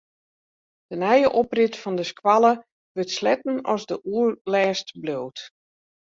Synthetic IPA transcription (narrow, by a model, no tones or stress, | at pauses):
d̥ənɛjəʔoprɪtfɔndəskʰwalˠə | ʋətslɛtn̩ɔzdəʔuəlɛːstbloːwt